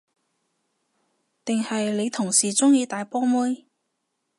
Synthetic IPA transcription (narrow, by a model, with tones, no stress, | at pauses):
t̪ɪ˨ŋhɐ˨jle˨˧jt̪ʰʊ˨˩ŋsiː˨˩t͡sʊ˥ŋjiː˧t̪aː˨jpɔː˥mu˥j